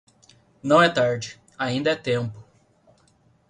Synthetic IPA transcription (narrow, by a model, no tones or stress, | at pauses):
nɐ̃w̃ɛt̪aɾd͡ʒɪ | aĩnd̪ɐɛt̪ẽmpʊ̥